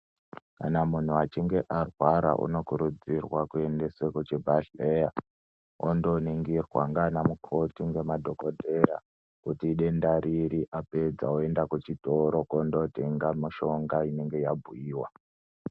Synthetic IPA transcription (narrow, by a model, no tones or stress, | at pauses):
kanamun̤uat͡ʃiŋɡe̞ʔarwaɾa̰ʔṵno̞kuɾud͡zirwakue̞nde̞sekot͡ʃe̞bʱaɬeja | o̰ndo̞niŋɡirwa̰ŋɡanamukʰo̞tiŋɡe̞madʱo̞ko̞dʱeɾa̰ | kutiːɗe̞ndaɾiɾiʔape̞d͡za̰oe̞ndakut͡ʃitoɾo̞kondo̞te̞ŋɡamiʃo̞ŋɡaine̞ŋɡe̞jabʱuiːwa